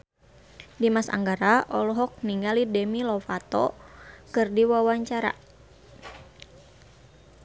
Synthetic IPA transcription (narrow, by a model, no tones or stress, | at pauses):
dimasa̰ŋɡaɾaʔɔlɔɦɔk̚niŋɡalidɛmilɔfat̪ɔ̰kɨrdiwawaɲt͡ʃaɾa̰